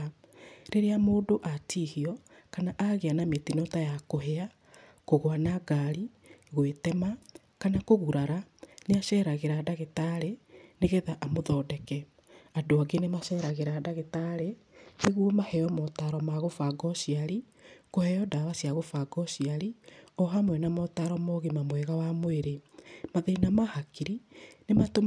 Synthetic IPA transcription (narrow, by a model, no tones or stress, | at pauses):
ɾeɾeamoːdoʔatiːhiɔ | kanaʔaɣeanametinɔtajakoɦea | koɣwanaɡaɾi | ɣwetɛma | kanakoɣuɾaɾaneaʃɛːɾaɣeɾadaɣetaɾeneɣɛðaʔamoðɔːdɛkɛ | adoaɡenemaʃɛːɾaɣeɾaːdaɣetaɾe | neɣwomahɛjɔmɔtaɾɔmaɣofaɡɔʃiaɾi | kohɛjɔdawasiaɣofaɡɔʃiaɾiɔɦamwɛnamɔtaɾɔmɔɣemamwɛɣawamoeɾemaðeinamahakiɾinemato